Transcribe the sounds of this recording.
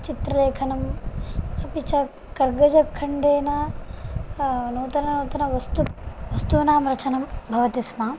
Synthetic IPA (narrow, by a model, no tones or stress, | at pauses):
t͡ʃit̪ɾɐleːkʰɐnɐm | ɐpit͡ʃɐ | kɐɾɡɐd͡ʒɐkʰːɐɳɖeːnɐ | noːt̪ɐnɐnoːt̪ɐnɐʋɐst̪uʋɐst̪unaːmɾɐt͡ʃɐnɐmbʱɐʋɐt̪ismaː